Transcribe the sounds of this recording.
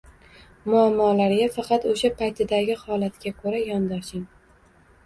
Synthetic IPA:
mʊamːɒlaɾɡʲafɑqʰɑt̪oʃapʰajt̪ʰɪd̪aɡʲɪhɒlat̪kʲakʰɵɾajɒnd̪ɒʃɪŋ

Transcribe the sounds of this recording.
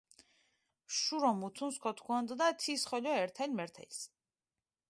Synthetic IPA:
ʃuɾɔmut̪ʰunskʰɔt̪ʰkʰuand̪d̪at̪ʰisχɔʎɔɛɾt̪ʰɛlʲmɛɾt̪ʰɛ̰jlʲs

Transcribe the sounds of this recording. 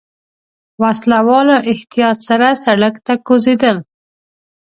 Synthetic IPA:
waslawɑloʔɪht̪ijɑt̪saɾasaɽakt̪akozed̪əl

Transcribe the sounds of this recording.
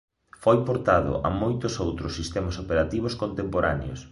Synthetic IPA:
fojpoɾt̪aðʊ̰ʔa̰mojt̪ʊsowt̪ɾʊsːist̪ɛmasopeɾat̪iβ̞ʊskont̪empoɾa̰neo̰s

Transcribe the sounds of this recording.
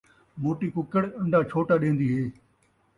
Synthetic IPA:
moːʈiːkʊkəɽə̃ɳɖʱaːt͡ʃʰoːʈaːɗẽːnd̪iːɦeː

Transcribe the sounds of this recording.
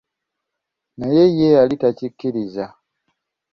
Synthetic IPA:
najejejalitacikːiɾiza

